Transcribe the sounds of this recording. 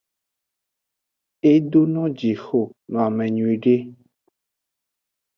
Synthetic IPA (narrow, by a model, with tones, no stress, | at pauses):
e˦do˦nɔ̃˦d͡ʒi˨xo˨nɔ̃˨a˨mɛ̃˨ɲũ˨i˨ɖe˦